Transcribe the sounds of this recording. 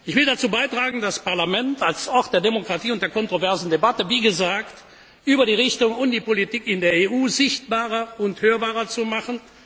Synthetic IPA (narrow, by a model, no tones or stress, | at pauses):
ʔɪçv̥ɪldat͡suːbaɪtʁ̥aːɡŋ̩daspaɐlamɛntalsʔɔʁt̚d̥eːɐdemokʁ̥atiːʊnt̚d̥eːɐkɔntʁ̥ovɛɐzn̩debatəviːɡəzaːkt | ʔyːbɐɾiːʁɪçtʊŋʊndiːpolitiːkɪndeːɐeʔuːzɪçt̚b̥aːʁɐʊnthøːɐbaːʁɐt͡sumaχən